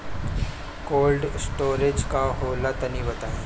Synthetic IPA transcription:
koːlɖsʈoːɾed͡ʒkaɦoːlat̪ənibət̪aːẽ

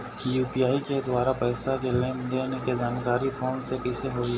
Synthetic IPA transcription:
kjuːpijaːiked̪waːɾapɛːsakeleːmd̪eːneked͡ʒaːnkaːɾifʰoːnsepɪːseɦoːi

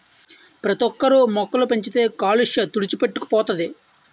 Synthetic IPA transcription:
pɾɐt̪ɔkːɐɾumɔkːɐlupeɲt͡ʃit̪e̞ːkaːliʂjɐt̪uɽit͡ʃipe̞ʈːuku̥pɔːt̪ɐd̪i

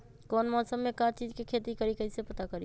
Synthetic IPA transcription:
kɔːnmɔːsəmːẽkaːt͡ʃiːd͡ʒkekʰeːt̪ikəɾikɐɪsepɐt̪akəɾi

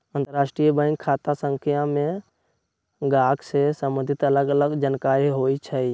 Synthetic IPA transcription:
ənt̪əɾaːsʈɾijəbə̃ŋɡkʰːat̪asə̃ŋkʰijamẽ | ɡaːkʰsesəmbə̃nd̪ʱit̪ələɡələɡd͡ʒankaɾiɦoit͡ʃʰəi

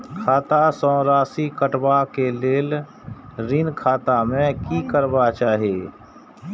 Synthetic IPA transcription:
kʰaːt̪asɔ̃ːɾaːsikəʈbakeleːl | ɾɪnkʰaːt̪amẽkikəɾbat͡ʃaːɦieː

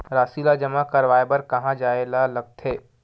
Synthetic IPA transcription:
ɾaːsiːlad͡ʒɐmakɐɾʋaːebɐɾkɐɦãd͡ʒaːelalɐɡ̚t̪ʰɦeː

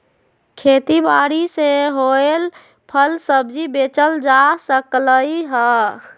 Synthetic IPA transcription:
kʰet̪ibaɾiseɦoel | pʰəlsəbd͡ʒibet͡ʃəld͡ʒasəkləiɦə

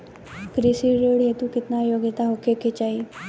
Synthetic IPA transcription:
kɾisiɾeɽɦet̪ũkɪt̪najoɡɪt̪aɦokeket͡ɕaɦi

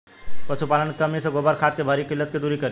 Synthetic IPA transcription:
pɐʃupaːlənkɐmiseɡoːbəɾkʰaːt̪kebʱaːɾikɪlːət̪kid̪uːɾikɐɾi

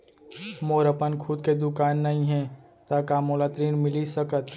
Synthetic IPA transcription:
moːɾəpənkʰʊd̪̚ked̪ʊkaːnːɐɦĩɦɛ̃ | t̪akaːmoːlat̪ɾiːnmɪlisəkət̪

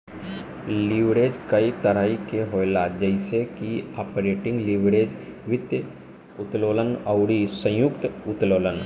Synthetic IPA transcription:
liʋɾeːd͡ʒkɐit̪əɾaːikeɦoːelad͡ʒəɪsekiaːpɾeːʈɪ̃ŋɡlɪʋɾeːd͡ʒʋɪt̪j | ʊt̪loːlənəʊɽisə̃jʊkt̪ʊt̪loːlən

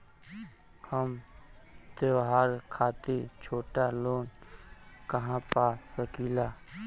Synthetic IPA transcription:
həm | t̪eʋɦaːɾkʰaːt̪it͡ʃʰoːʈaloːn | kɐɦãpasəkiːlaː

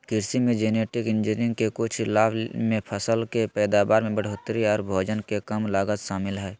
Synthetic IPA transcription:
kɪɾsimẽd͡ʒeːneːʈɪkɪnd͡ʒinɪ̃ŋɡkekʊt͡ʃʰlaːbmẽpʰəsəlkepɛːd̪aːbaːɾmẽbəɽ̤oːt̪ɾiɔːɾbʱoːd͡ʒənkekəmlaːɡət̪ʃaːmɪlɦɛː

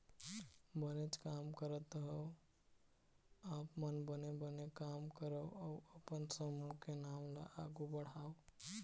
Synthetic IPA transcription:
bənet͡ʃkaːmkəɾət̪ɦəw | aːpmənbənebənekaːmkəɾəɔəpənsəmukenaːmla̰ʔaːɡubəɽ̤aːo

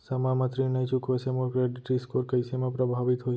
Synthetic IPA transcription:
səmamət̪ɾinəjt͡ʃukosemokɾeʈʈɾiskoɾkəjsemãpɾəbʱaʋit̪ɦoj

